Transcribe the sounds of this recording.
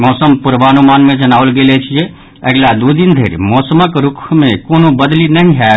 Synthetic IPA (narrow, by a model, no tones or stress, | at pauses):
mɔːsəmpuɾʋaːnumanmẽd͡ʒənaːʋəlɡelɛt͡ʃʰijɛ | əɡlad̪ud̪ind̪ʱeɾmɔːsəməkɾukʰmekonobəd̪linəɦĩɦɛ